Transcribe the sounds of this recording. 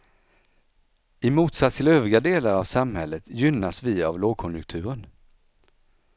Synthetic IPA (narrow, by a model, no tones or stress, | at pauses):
ɪmuːt̪sat̪st̪ʰɪløːvɾɪɡad̪eːlaɾavsamhɛlːət̪jʏnːasvɪavloːɡ̚kʰɔnjɵk̚t̪ʰʉ̟ːɾən